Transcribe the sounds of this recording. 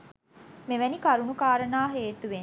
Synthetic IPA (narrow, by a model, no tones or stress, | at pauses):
meʋænikaɾunukaːɾənaːɦeːt̪uʋe